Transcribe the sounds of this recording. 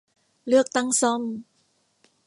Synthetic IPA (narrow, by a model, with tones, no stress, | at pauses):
lɯ˥˩ək̚t̪a˥˩ŋsɔ˥˩˨m